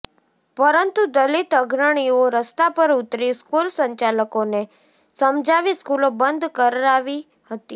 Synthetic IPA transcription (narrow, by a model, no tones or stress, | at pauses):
pəɾənt̪ud̪əlit̪əɡʱɾəɽ̃ioɾəst̪apəɾʊt̪ɾiskulsəɲt͡ʃaləkone | səmd͡ʒaʋiskulobənd̪ʱkəɾɾaʋi | hət̪i